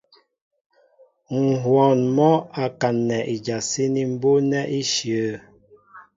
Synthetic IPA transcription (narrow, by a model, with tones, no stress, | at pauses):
ŋ̩˨ɦwɔ˨nmɔ˦a˨ka˨nːɛ˨ʔi˨d͡ʒa˨si˦ni˨m̩˦bo˦nɛ˦ʔi˦ʃjə˨˦